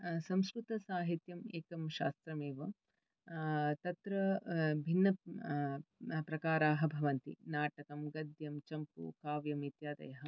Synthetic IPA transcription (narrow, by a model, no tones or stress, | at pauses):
sɐ̃mskɾut̪ɐsaːɦit̪jɐmeːkɐmʃa̰ːst̪ɾɐmeːʋɐ | t̪ɐt̪ɾɐbʱinːɐ | pɾɐkaːɾaːɦɐbʱɐʋɐnt̪ḭnaːʈɐkɐmɡɐd̪ʱjɐmt͡ʃɐmpṵkaːʋjɐmit̪jaːd̪ɐ̰jɐɦɐ